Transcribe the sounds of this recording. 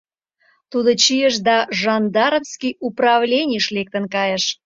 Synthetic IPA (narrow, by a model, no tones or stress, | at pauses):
t̪ud̪ot͡ɕijəʃd̪ɑʒɑnd̪ɑɾəfskijuprɑvlʲenʲijʃlek̚t̪ə̆nkɑjəʃ